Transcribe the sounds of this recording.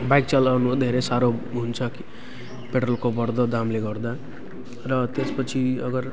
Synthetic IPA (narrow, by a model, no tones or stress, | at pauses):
bajk̚t͡salʌnud̪ʱeɾesaɾoɦunt͡sʰʌki̥ | peʈrʌlkobʌɾd̪ʌd̪amleɡʌrd̪a | rʌt̪espʌt͡sʰiʌ̰ɡʌɾ